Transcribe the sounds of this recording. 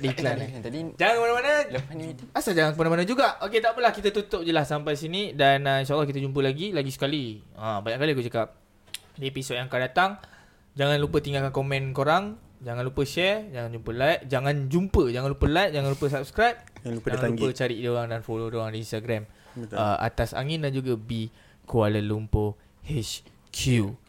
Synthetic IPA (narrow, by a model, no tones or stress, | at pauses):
diklad͡ʒaŋankəmanamanə | asad͡ʒaŋankəmanamanəd͡ʒuɡaʔoket̪aʔpəlahkit̪at̪ut̪ʊp̚d͡ʒəlassampajs̬inidanəinʃalːɔhk̬it̪̬ad͡ʒump̬əlaɡilaɡisə̥kaliãbaɲaʔkalikuʔd͡ʒəkap̚ | diepisod̚jaŋkadat̪aŋ | d͡ʒaŋanlupət̪iŋɡalkankomɛ̃nkoɾaŋd͡ʒaŋanlupəʃɛrd͡ʒaŋand͡ʒumpəlajʔ̚d͡ʒaŋãnd͡ʒumpəd͡ʒaŋanlupəlajt̚d͡ʒaŋanlupəsap̚skɾajp̚d͡ʒaŋanuət͡ʃaɾiʔdioɾaŋdanfolodoaŋdiːnst̪aɡɾaməa̰t̪asa̰ŋindand͡ʒuɡabi | kualəlumpo | hɛt͡ʃ | kʰu